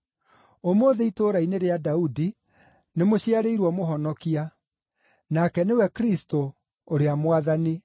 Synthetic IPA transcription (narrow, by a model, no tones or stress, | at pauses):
omoːðɛitoːɾaineɾeadaudi | nemoɕiaɾeiɾwɔmoɦɔnɔkia | nakɛnewɛkɾisto | oɾeamwaðani